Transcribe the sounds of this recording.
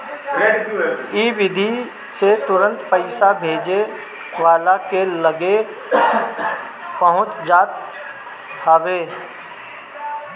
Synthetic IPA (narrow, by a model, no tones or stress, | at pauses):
iːʋɪd̪ʱi | set̪ʊɾə̃nt̪pəɪsabʱeːd͡ʒe | ʋaːlakeləɡe | pəɦʊ̃t͡ʃd͡ʒaːt̪ | həʋeː